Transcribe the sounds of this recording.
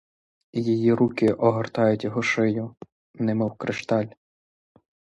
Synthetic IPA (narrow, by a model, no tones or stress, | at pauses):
jijiɾukɪʔɔɦɔrt̪ɑjʊtʲjɔɦɔʃɪjʊ | nɛmɔwkɾʔɪʃt̪ɑlʲ